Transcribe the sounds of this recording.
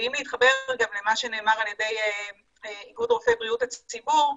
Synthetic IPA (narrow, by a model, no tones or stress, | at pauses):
imliit̪χabe̞ʁɡamlemaʃene̞ːmaʁaljede̞j | iɡudʁofebʁijutat͡st͡sibuʁ